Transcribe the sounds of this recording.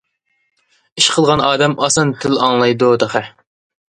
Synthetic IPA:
iʃqʰəlˠʁɑnɑːd̪ɛmɑsɑnt̪ʰɪlɑŋlˠɑjd̪ʊd̪ɑχæ

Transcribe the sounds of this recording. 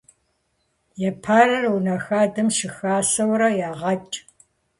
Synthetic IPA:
jɛpʰaːrɐrunɐxaːdɐmʃɪxaːsɐwɾɐjaːʁɐt͡ʃʼ

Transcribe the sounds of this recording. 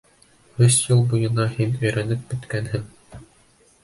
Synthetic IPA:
hɵsjɤlˠbujɤ̆nɑhinɵ̆jɾænɘp̚bɵ̆t̪kænɦɘŋ

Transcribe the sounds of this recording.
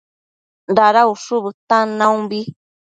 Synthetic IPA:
ndaɾauʂuβɨt̪anãũmbi

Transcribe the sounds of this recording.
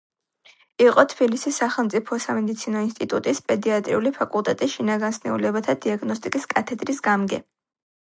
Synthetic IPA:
iqʼɔt̪ʰbilisisaχɛlˠmt̪sʼipʰɔsamɛd̪it̪sʰinɔinst̪ʼit̪ʼut̪ʼispʼɛd̪iat̪ʼɾḭulipʰakʼulˠt̪ʼɛt̪ʼiʃinaɡansnɛ̰ulɛbat̪ʰad̪iaɡnɔst̪ʼikʼiskʼat̪ʰɛd̪ɾisɡamɡɛ

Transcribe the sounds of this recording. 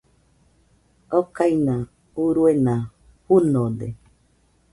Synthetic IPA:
okainã | uɾuenã | hunõd̪e

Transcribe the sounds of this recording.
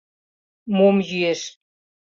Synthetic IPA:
momjyeʃ

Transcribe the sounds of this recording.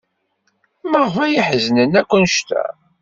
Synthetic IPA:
məʁfæjiħznənækʷːənʃt̪æ̰

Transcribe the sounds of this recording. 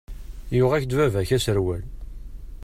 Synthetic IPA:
jʊʁæçd̪vævæçæsəɾwæl

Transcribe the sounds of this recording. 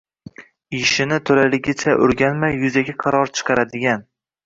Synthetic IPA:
ɪʃɪnɪt̪ʰolalɪɡʲɪt͡ʃʰaʔʊ̰ɾɡʲanmajːʊzaɡʲaqʰɑɾɒɾt͡ʃʰɨ̥qʰɑɾad̪ɪɡʲan

